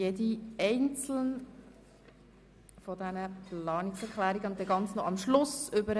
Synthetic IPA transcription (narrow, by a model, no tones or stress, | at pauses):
jediɛɪnt͡sl̩n | fɔdænəpʰlɑːnɪksɛɾklæːɾiɡəʊnt̪̚dɛɡɑnt͡snoʔɑmʃlʊsʏbəɾ